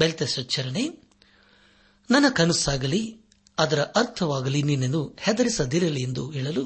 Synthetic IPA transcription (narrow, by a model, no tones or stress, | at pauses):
belt̪eʃɐt͡ʃːɐɾɐɳe | nɐnːɐkɐnusaːɡɐli | ɐd̪ɐɾɐʔɐɾt̪ʰɐʋaːɡɐlininːɐnːuhɛd̪ɐɾisɐd̪iɾɐliend̪uɦiːɭɐlu